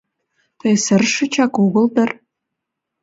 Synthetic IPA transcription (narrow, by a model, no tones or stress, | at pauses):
t̪əjsərʃə̆t͡ɕɑkuɣə̆ld̪ə̆r